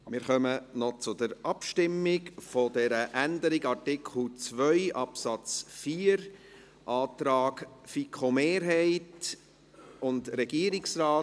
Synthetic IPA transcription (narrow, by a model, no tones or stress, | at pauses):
mɪːɾχœmənɔt͡sʊdəɾʔɑpʃtɪmːɪɡfodɛɾəʔændəɾɪɡɑɾtɪkʰχl̩t͡svœʏʔɑpsɑt͡sfiːəɾ | ʔɑːt̪ɾɑːkfikχomeːɾɦɛɪt | ʊndɾɛɡiːɾɪksɾaː